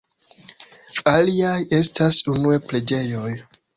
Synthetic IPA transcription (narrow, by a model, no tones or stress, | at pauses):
aliaje̞stasunue̞ple̞d͡ʒe̞jo̞j